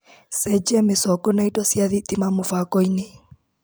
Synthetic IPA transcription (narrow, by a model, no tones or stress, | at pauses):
sɛd͡ʒɛmɪsɔkɔnaitɔsjaðit̪imamʊfakɔine